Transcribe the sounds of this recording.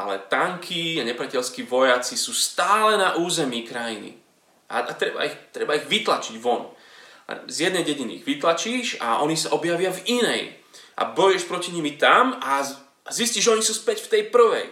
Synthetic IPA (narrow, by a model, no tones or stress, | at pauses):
alɛ̰t̪aŋkʰiaɲɛpɾɪacɛlskiːʋɔjat͡sisuːst̪aːlɛnaʔuːzɛmiːkɾajinḭ | ʔa̰at̪ɾɛba̰ixt̪ɾɛbaiɣʋit̪lat͡ʃiɟʋɔn̰ | zjɛd̪nɛjɟɛɟinḭɣʋit̪lat͡ʃiːʃa̰ʔɔɲisaʔɔbjaʋɪavinɛjʔa̰bɔjɛʃpɾɔciɲimit̪ama | zisciːʒɛɔɲisuːspɛcft̪ɛjpr̩ʋɛ̰j